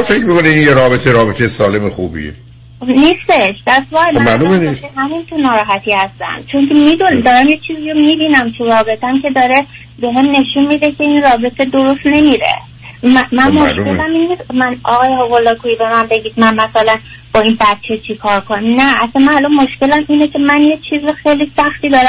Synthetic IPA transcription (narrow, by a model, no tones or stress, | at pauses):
ɔfecmikoniinjeɾɒːbet̪ʰeɾɒːbet̪ʰejesɒːlemexuːbḭḛ | niːst̪e̞ʃd̪̥æst̪bɒæmalumeniseɦæmint̪ʰunɒːɾɒːɦæt̪ʰiːhæst̪æ̰mt͡ʃʰo̞ŋcʰemid̪und̪ɒːɾæmjet͡ʃʰiːzijomib̪iːnæmt̪ʰuɾɒːbe̞t̪ʰæmcʰe̞d̪ɒːɾe̞ | be̞ɦemne̞ʃunmid̪ecʰe̞inrɒːbe̞t̪ʰe̞d̪oɾost̪ne̞miːɾḛ | mæmænmoʃelæminːismænɒːɣɒːjeɦovolːɒːkuibe̞mæmbe̞ɟiːd̪̚mænmæsælæn | b̥ɒːinbæt̪̚t͡ʃʰe̞t͡ʃʰikʰɒːɾkʰonimnæʔæsænmænalɒnmo̞ʃce̞læmiːnecʰe̞mænje̞t͡ʃʰiːzoxeːlisæxt̪iːd̪ɒːɾæ